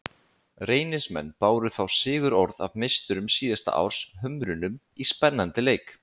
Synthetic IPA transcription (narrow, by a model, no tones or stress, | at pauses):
reːjnɪsmɛ̰nːpaːwɾʏθawsɪːɣʏɾɔɾða̰vmɪst̪ʏɾʏmsiːðast̪a̰ʔa̰wɾ̥sɦʏmɾʏnʏm | ispɛnːant̪ɪleːjk